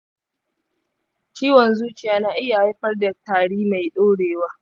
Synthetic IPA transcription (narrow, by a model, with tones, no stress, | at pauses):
t͡ʃiː˦wɔ˨nzuː˦t͡ʃɪ˨jaː˦naː˦ʔɪ˦ja˨˦ɸɐ˦rdɐ˨taː˨ɽiː˦ma˨jɗoː˦ɽeː˨waː˦